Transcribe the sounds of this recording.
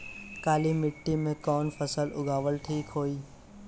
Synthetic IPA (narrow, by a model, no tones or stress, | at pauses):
kaːlimɪʈːimẽkɔːnfəsəlʊ̰ɡaːʋəlʈʰiːkɦoːiː